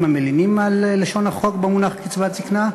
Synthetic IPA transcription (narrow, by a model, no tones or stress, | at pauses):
mamelinimalːeʃo̞naχo̞kbemunaχkit͡svat͡sikna